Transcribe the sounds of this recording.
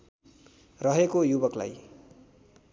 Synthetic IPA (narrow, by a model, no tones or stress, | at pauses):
rʌɦekojubʌkla̰j